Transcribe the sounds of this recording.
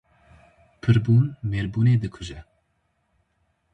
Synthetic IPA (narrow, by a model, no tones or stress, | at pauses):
pʰɨɾbuːnmeːɾbuːneːd̪ɨkʰʊʒɛ